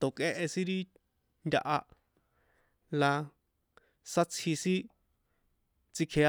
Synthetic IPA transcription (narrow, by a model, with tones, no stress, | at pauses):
t̪o˨kʼe˦ʔe˧sĩ˦ɾi˦ | nd̪ʲa̰˧ʔa˧ | la˧ | sa˦t͡sʰhi˧sĩ˦ | t͡si˧kʰe˧